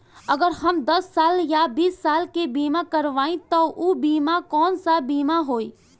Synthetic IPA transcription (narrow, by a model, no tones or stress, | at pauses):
ɐɡəɾhɐmd̪ɐsːaːljabiːsːaːlkebiːmakɐɾʋaːĩt̪oubiːmakɔːnsabiːmaɦoːiː